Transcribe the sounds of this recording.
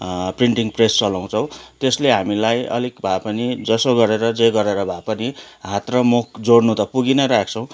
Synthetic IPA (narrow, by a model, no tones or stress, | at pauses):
priɳʈiŋprest͡sʌlaw̃t͡sʰʌw̃t̪esleɦamilajʌ̰likbʱapʌnid͡zʌsoɡʌɾeɾʌd͡zeɡʌɾeɾʌbʱapʌniɦat̪rʌmok̚d͡zoɽnut̪ʌpuɡinʌɾak̚ʰt͡sʰʌw̃